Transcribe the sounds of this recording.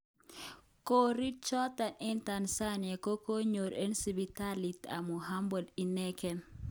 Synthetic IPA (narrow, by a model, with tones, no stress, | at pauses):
ko˦ɾi˦d̚t͡ʃɔ˦ta˨nɛ˦nta˨nsa˦nja˨ko˦ko˦ɲo˨ɾe˦nsi˨bi˨ta˦li˨t̪a̰˨mu˨ɦa˦mbo˨di˨nɛ˦kɛ˨n